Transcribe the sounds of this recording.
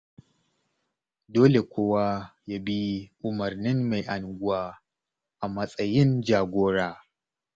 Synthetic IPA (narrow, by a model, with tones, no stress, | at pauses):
doː˦le˨kʷoː˦wa˦ja˦bi˦ʔʊ˨mɐ˨rnɪ˦mːa˨jʔa˨nɡʷʊ˦waː˦ | ʔa˨mɐ˦sʼɐ˦jɪ˦nd͡ʒaː˨ɡʷoː˦ɽaː˦